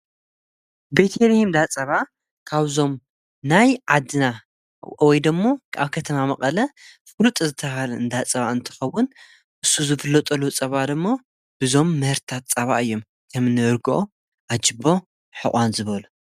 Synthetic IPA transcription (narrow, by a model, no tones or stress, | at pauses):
be̞t̪ʰeɾihimd̪at͡sʼɐβa | kʰaβzo̞m | najʕad̪ɨna | wɔjd̪ɨmːoka̰βkʰɐt̪ʰɐmamɐkʼɐlɐfɨlut̪ʼzɨt̪ʰːɐɦalɨnd̪at͡sʼɐβaɨnt̪ʰɨ̥xɐwʊn | ʔɨsːuzɨfɨlːɐt̪ʼɐlut͡sʼɐβad̪ɨmːo | b̥ɨzo̞mːɨhɨɾt̪ʰat̪t͡sʼɐβaɨjːo̞m | kʰɐmɨnːɨɨɾɡɨʔo | ʔad͡ʒɨbo̞ | ħɨ̰χʼʷanzɨβɐlu